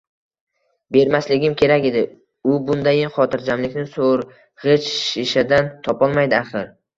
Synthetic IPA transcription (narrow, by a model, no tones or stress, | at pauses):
be̞ɾmaslɪɡʲɪmkʲʰe̞ɾakʲe̞d̪ɪ | ʊbʊnd̪ajɪnχɒt̪ʰɪɾd͡ʒamlɪkʲnɪsoɾ | ʁɪt͡ʃʃɪʃad̪ant̪ʰɒpʰɒlˠmajd̪ɪaχɨɾ